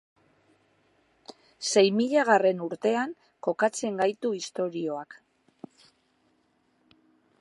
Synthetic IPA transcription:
se̞jmiʎaɣ̞are̞nuɾt̪e̞aŋ | ko̞kat͡se̞ŋɡajt̪uist̪o̞ɾio̞ak

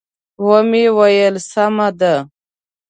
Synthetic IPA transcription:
womiwajelsamad̪a

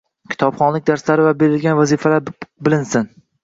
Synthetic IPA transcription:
kʲʰɪ̥t̪ʰɒpχɒnlɪk̚ʲd̪aɾslaɾɪvabe̞ɾɪlɡʲanvazifalaɾbɪlɪnsɪn

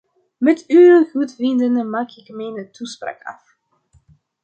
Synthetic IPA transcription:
mɛtyəɣutvɪndənəmaːkɪkmɛjnətuspra̰ːkɑ̰f

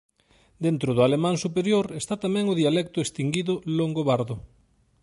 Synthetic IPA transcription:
d̪ent̪ɾʊð̞ʊalemãŋsupeɾjoɾest̪at̪amɛ̃ŋʊðialɛk̚t̪ʊest̪iŋɡiðʊloŋɡoβaɾðʊ

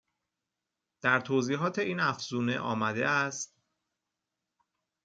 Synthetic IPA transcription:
d̪̥æɾt̪ʰoːziːɦɒːt̪ʰe̞iːnæfz̥uːne̞̰ʔɒ̰ːmæd̪eæst̪

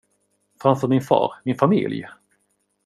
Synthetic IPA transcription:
fɾamfœɾmɪnfɑ̰ːɾmɪnfamɪ̰lj

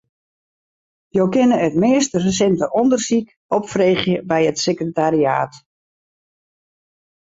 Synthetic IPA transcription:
jowkɪnəətmɪəstərəs̬ɛntəʔɔndərsik | ɔpfreːχjəbɛjətsekrətaria̰ːt

